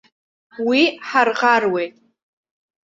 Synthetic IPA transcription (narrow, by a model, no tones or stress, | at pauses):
wiħarqarwe̞jtʼ